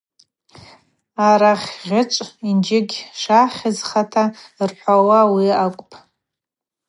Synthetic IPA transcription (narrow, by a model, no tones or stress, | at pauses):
aɾaχʲʁʲɪʈ͡ʂʷʼind͡ʒɪɡʲʂaχʲɪzχatʰarħʷawawiakʷʼpʰʼ